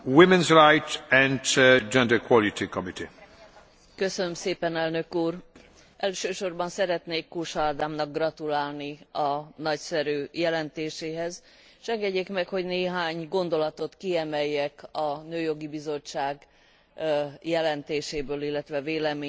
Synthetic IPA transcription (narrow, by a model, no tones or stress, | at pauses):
wimɛ̃nzɾajt̪ɛ̃ntd͡ʒɛ̃ndɛkʰwɔlit̪ʰikɔmit̪i | kø̞sønømseːpɛnɛlnø̞kuːr | ʔɛlʃøːʃo̞rbɒnsɛɾɛt̪neːkːoːʃɒd̪aːmnɒɡ̚ɡrɒt̪ulaːlniɒnɒcsɛɾyːjɛlɛnt̪eːʃeːɦɛz | ʃɛŋɡɛɟːeːkmɛkho̞ɟneːɦaːɲɡo̞nd̪o̞lɒt̪o̞t̪kiɛmɛjːɛkɒnøːjo̞ɡibizo̞t͡ʃːaːɡ | jɛlɛnt̪eːʃeːbøːlilːɛt̪ʋɛveːlɛmeː